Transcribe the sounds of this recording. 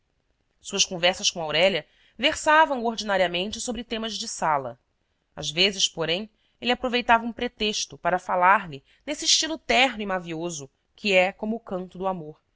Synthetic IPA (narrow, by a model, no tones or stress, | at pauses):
suɐʃkõvɛɾsɐʃkõawɾɛlɐ | veχsavɐ̃w̃oɾd͡ʒinaɾiɐmẽnt͡ʃɪsobɾɪt̪ẽmɐzd͡ʒɪsalɐ̰ | a̰zvezɪʃpoɾẽj̃ | elʲɪapɾovejt̪avɐũpɾet̪eʃt̪ʊpaɾɐfalaɾlɪ | nesiʃt͡ʃilʊt̪ɛɦnʊimaviozʊ | kʰiɛkõmʊːkɐ̃nt̪ʊd̪ʊamoɾ